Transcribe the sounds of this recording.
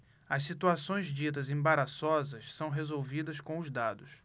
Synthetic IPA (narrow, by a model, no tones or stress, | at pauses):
ɐssit̪uasõj̃zd͡ʒit̪̬ɐzẽbaɾasɔzɐssɐ̃w̃ɦezowvid̪ɐskõʊzd̪ad̪ʊs